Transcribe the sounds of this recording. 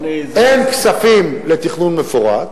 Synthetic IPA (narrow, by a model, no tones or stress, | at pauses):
enksafimlet̪iχnunmefuʁa̰t̪